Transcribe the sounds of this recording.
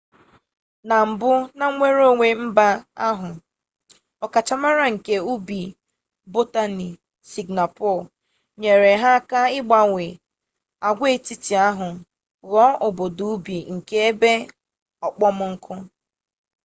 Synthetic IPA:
na˨m̩˨bʊ˦na˦ŋʷe˦ɾo˦˨ŋʷe˨m̩˦ba˦a˦ɦʊ˨ | ɔ˨ka˨t͡ʃa˦ma˦ɾa˦ŋ̩˨ke˦u˦bi˨ | bo˦ta˦ni˨ | si˨ɡna˨pɔ˦˨ | ɲe˨ɾe˨ɦa˦ka˦ɪ˦ɡ͡ba˦ŋʷe˨ | a˨ɡʷe˦ti˦ti˨a˦ɦʊ˨ | ɣɔ˦ʔo˨bo˨du˨u˦bi˨ŋ̩˨ke˦e˦be˦ | ɔ˨k͡pɔ˦mʊ˦ŋ̩˦kʰʊ˦

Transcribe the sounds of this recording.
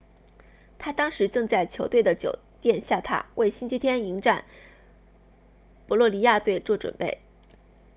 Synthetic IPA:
t̪ʰa˥t̪ɑ˥ŋʂɻ̩˧˥ʈ͡ʂɤ˥˧ŋt͡sa˥˩ɪt͡ɕʰjo˧˥ʊt̪we˥˩ɪd̪ə˩t͡ɕjo̰˨˩ʊt̪jɛ˥˧nɕja˥˩t̪ʰa̰˥we˥˩ɪɕi˥nt͡ɕʰi˥t̪ʰjɛ˥ni˧˥ŋʈ͡ʂa˥˩n | pɔ˧˥lwɔ˥˩li˧˥ja˥˧t̪we˥˧ɪt͡swɔ˥˩ʈ͡ʂwə̰˨˩npe˥˩ɪ

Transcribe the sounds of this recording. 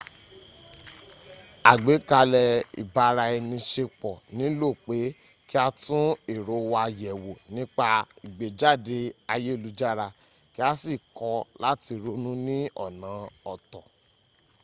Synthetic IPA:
a˨ɡ͡be˨˦ka˧lɛ˧ḭ˨ba˧˦˧ɾa˧ɛ˧nĩ˧ʃe˧k͡pɔ˨nĩ˨˦lo˦˨k͡pe˨˦ | ki˦a˧tũ˦i˦˨ɾo˨˦wa˧jɛ˨wo˨nĩ˦k͡pa˧i˨ɡ͡be˨d͡ʒa˦˨de˧a˧je˦i˦˨lu˨˦d͡ʒa˦˨ɾa˧ | ki˦a˦si˦˨kɔ˧la˦ti˧ɾo˦nũ˦nĩ˦ɔ̰˦˨nã˨˦ɔ˧˨tɔ˨

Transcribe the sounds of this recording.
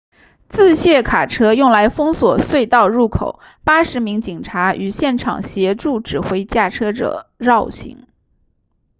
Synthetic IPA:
t͡sɹ̩˥˧ɕjɛ˥˩kʰa˨˩ʈ͡ʂʰɤ˥jʊ˥˩ŋla˧˥ɪfɤ˥ŋswɔ˨˩swe˥˧ɪt̪ɑ˥˧ʊɻu˥˩kʰo˨˩ʊ | pa˥ʂɻ̩˧˥mi˧˥ŋt͡ɕi˨˩ŋʈ͡ʂʰa˧˥ʔy˨˩ɕjɛ˥˩nʈ͡ʂʰɑ̰˨˩ŋɕjɛ˧˥ʈ͡ʂu˥˩ʈ͡ʂɻ̩˨˩xwe˧˥ɪt͡ɕja˥˩ʈ͡ʂʰɤ˥ʈ͡ʂɤ̰˨˩˦ɻɑ˥˩ʊɕḭ˧˥ŋ

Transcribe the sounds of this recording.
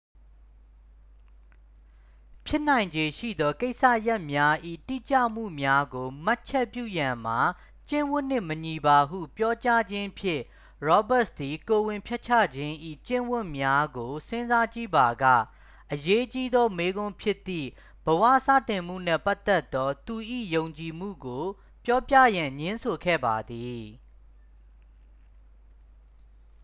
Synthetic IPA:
pʰjɪ˦n̥ã˨ɪ̃ɲd͡ʑe˨ʃḭ˦˨d̪ɔ˦ke˦ɪʔsä̰˦˨ja˦˨ʔmja˦ʔḭ˦˨tḭ˦˨t͡ɕa̰˦˨m̥ṵ˦˨mja˦ɡo˨ma˦ʔt͡ɕʰɛ˦pjṵ˦˨jã˨m̥a˨ | t͡ɕɪ̰̃˦˨wʊ̃˦˨n̥ɪ̃˦˨məɲi˨ba˨ɦṵ˦˨pjɔ˦t͡ɕa˦d͡ʑɪ̃˦pʰjɪ̰̃˦˨ | ɹɔ˦ba˦ʔsd̪i˨ko˨wɪ̃˨mpʰjɛ˦ʔ̚t͡ɕʰä̰˦˨d͡ʑɪ̃˦ʔḭ˦˨t͡ɕɪ̰̃˦˨wʊ̃˦˨mja˦ɡo˨sɪ̃˦nza˦t͡ɕi˦˨ba˨ɡä̰˦˨ | ʔəje˦t͡ɕi˦d̪ɔ˦me˦ɡʊ̃˦mpʰjɪ˦ʔt̪ːḭ˦˨ | b̥əwä̰˦˨sä̰˦˨tɪ̃˨m̥ṵ˦˨n̥ɛ̰˦˨pa˦t̪ɛ˦t̪ːɔ˦t̪u˨ʔḭ˦˨jõ˨ʊ̃ɲt͡ɕi˨m̥ṵ˦˨ɡo˨ | pjɔ˦pjä̰˦˨jã˨ɲɪ̃˦nsʰo˨kʰɛ̰˦˨ba˨d̪i˨

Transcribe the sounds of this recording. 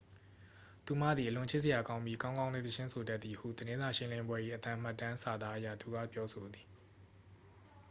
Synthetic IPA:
t̪u˨m̥ä̰˦˨d̪ði˨əlʊ̃˨t͡ɕʰɪ˦ʔsəja˨kã˦ʊ̃mbji˦kã˦ʊ̃ŋɡã˦ʊ̃lḛ˦˨t̪ət͡ɕʰɪ̃˦sʰo˨da˦t̪ːi˨hṵ˦˨d̪əɾɪ̃˦nza˨ʃɪ̃˦lɪ̃˦mbwɛ˦ʔḭ˦˨ʔət̪ã˦˨m̥a˦˨tːã˦sa˨d̪ða˦ʔəjä̰˦˨t̪u˨ɡä̰˦˨pjɔ˦sʰo˨d̪ði˨

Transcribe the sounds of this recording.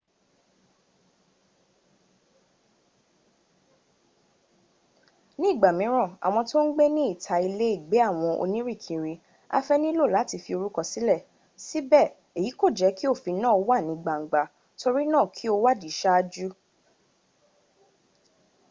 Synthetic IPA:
nĩ˦˨ɡ͡ba˨mĩ˨˦ɾ̃ã˦˨a̰˨w̃ɔ̃˧to˦n̩˦ɡ͡be˦nĩ˦i˦˨tʰa˧i˧le˦i˦˨ɡ͡be˨˦a˦˨w̃ɔ̃˧ʔo̰˧nĩ˦ɾi˦˨kʰĩ˨ɾi˧ | a̰˦fɛ˦nĩ˦lo˦˨la˨˦ti˧fi˧o˧ɾu˦kɔ˧˨si˨˦lɛ˦˨ | si˦bɛ˦˨ | e˨ji˨˦ko˦˨d͡ʒɛ˨˦ki˦o˦˨fi˧nãː˦˨o˧wa˦˨nĩ˨˧ɡ͡ba˨ŋ͡m̩˨ɡ͡ba˨ | to˧ɾi˦nãː˦˨kʰi˦o˧wa˦˨di˨˦ʃa˦a˧d͡ʒu˦

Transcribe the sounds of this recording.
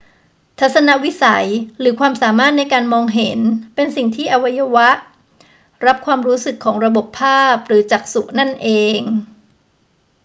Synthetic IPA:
t̪ʰa˦˥t̪̚sa˧na˦˥ʔwi˦˥sa˩˦jɾɯː˩˦kʰwaː˧msaː˩˦maː˥˩t̪̚na˧jkaː˧nmɔː˧ŋɦe˨˩˦npe˧nsi˨˩ŋt̪ʰiː˥˩ʔa˧wa˦˥ja˧wa˦˥ʔ | ɾa˦˥p̚kʰwaː˧mɾuː˦˥sɯ˨˩kʰːɔː˩˦ŋɾa˧bo˨˩pʰːaː˥˩p̚ɾɯː˩˦t͡ɕaː˨˩k̚su˨˩ʔna˥˩nʔeː˧ŋ

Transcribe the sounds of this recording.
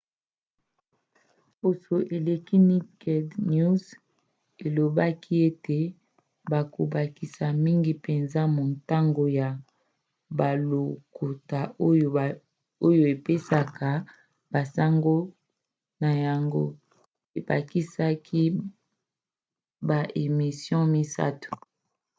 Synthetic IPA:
bo˨so˨ʔe˨le˨ki˦mi˦kɛ˨dnu˦z | e˨lo˨ba˦kʰi˦e˦te˨ | ba˨ko˨ba˨ki˨sa˨mi˦ŋɡi˨pe˨nza˦mo˨nta˦ŋɡo˨ja˨ | ba˨lo˨ku˨ta˨o˦jo˨ | o˦jo˨e˨pe˦sa˨ka˨ | ba˨sa˦ŋɡo˦ | na˨ja˨ŋɡo̰˦ | e˨ba̰˨ki˦sa˦kʰi˦ | ba˨ʔe˨mi˨sjɔ̃˦mi˦sa̰˦tu̥˨

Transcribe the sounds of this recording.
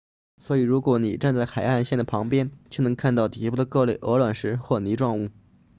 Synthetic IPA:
swɔ˧˥i˨˩ɻu˧˥kwɔ˧˥ni˨˩ʈ͡ʂa˥˧nt͡sa˥˩ɪxa˨˩ɪxa˥˧nɕjɛ˥˩nd̪ə˩pʰɑ˧˥ŋpjɛ˥nt͡ɕjo˥˩nɤ˧˥ŋkʰa˥˧nt̪ɑ˥˩ʊt̪i˧˥pu˥˩d̪ə˩kɤ˥˧le˥˩ɪʔɤ˧˥lwə˨˩nʂɻ̩˧˥xwɔ˥˩ni˧˥ʈ͡ʂwɑ˥˧ŋu˥˩

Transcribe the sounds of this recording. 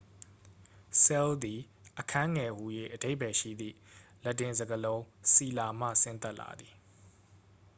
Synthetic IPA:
sɛ˦ld̪i˨ | ʔəkʰã˦ŋɛ˨hu˨jwḛ˦˨ʔəde˦ɪʔbɛ˨ʃḭ˦˨d̪ðḭ˦˨lɛ˦˨tːɪ̃˨nzə˨ɡəlõ˦ʊ̃si˨la˨m̥ä̰˦˨sɪ̰̃˦˨nt̪ɛ˦ʔla̰˨d̪i˨

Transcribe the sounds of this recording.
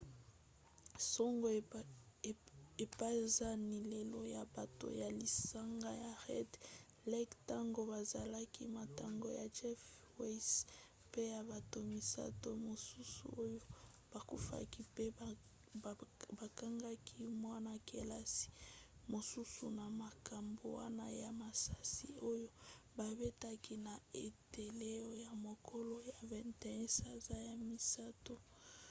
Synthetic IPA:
sɔ˦ŋɡo˨ | e˨pa˦˨za˦ni˨le˨lo˦ja˨ba˨to̰˨ja˨li˨sa˦ŋɡa˦ja˨ʁɛ˦d | lɛ˦kta˦ŋɡo˦ba˨za˨la˦ki˦ma˨ta˨ŋɡo̰˨ja˨t͡ʃɛ˦f | we˦s | pe˦ja˨ba˨to˨mi˨sa̰˦to˦mo˨su˦sṵ˨o˦jo˦ | b̥a˨ku˦fa̰˦ki˦pe˦ | ba˨ka˦ŋɡa˦kʰi˦mwa˦na˨ke˨la˦si̥˨mo˨su˦sṵ˨na˨ma˨ka˨mbo˨wa̰˦na˦ja˨ma˨sa˦si˨o˦jo˦ba˨be˦ta˦ki˦na˨e˨te˨le˦o˦ja˨mo˨kʰo˦lo˦ja˨vɛ˨ntɛ˦˨ɛ˦sa˨za˦ja˨mi˨sa˦to˦

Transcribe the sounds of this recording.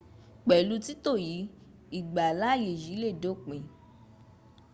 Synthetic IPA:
k͡pɛ˨lu˧ti˦to˦˨ji˨˦ | i˦˨ɡ͡ba˨la˦je˨ji˨˦le˦˨do˨˦˨k͡pẽ˨

